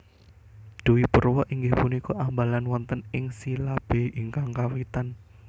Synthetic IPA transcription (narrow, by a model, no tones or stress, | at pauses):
d̪̥uwipərwɔʔiŋɡɪhpunikɔʔambalanwɔnt̪ənɪŋsilab̥e̤iŋkaŋkawit̪an